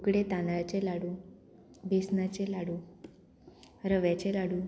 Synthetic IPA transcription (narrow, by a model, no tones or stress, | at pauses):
ukɽet̪ãnd̪ɾat͡ɕelaɽuː | bʱesnat͡ɕẽlaɽuː | ɾəʋjat͡ɕelaɽuː